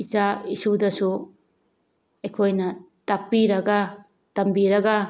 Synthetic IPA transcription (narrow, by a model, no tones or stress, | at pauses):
it͡ʃaisudɐsu | ekʰojnɐ | tapːiɾɐɡa | tɐmbiɾɐɡa